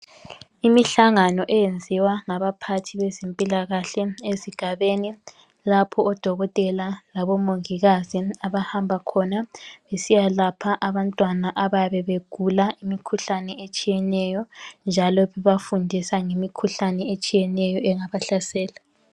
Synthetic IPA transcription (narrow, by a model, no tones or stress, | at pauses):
imiɬaŋanɔʔɛjend͡zʱiwaŋaβapʰatʰiβezempʼilaɣaɬɛeziɡ̥ʱaβeni | lapʰɔɔd̥ʱɔɣɔtʼɛlalaβɔmoŋiɣaziaβahambʱakʰɔnaβesijalapʰaʔaβantʼwanaʔaβajaβɛβeɡ̥ʱulaʔimikʰuɬanɛet͡ʃʼijɛnɛjɔnd͡ʒʱalɔβɛβafundʱisaŋemikʰuɬanɛet͡ʃʼijɛnɛjɔʔɛŋaβaɬasɛːla